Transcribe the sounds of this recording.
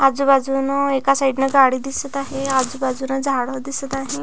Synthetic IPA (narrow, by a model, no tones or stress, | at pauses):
ad͡zubad͡zunɔekasaiɖnaɡaɽid̪isət̪aɦead͡zubad͡zunad͡zʱaɽəd̪isət̪aɦe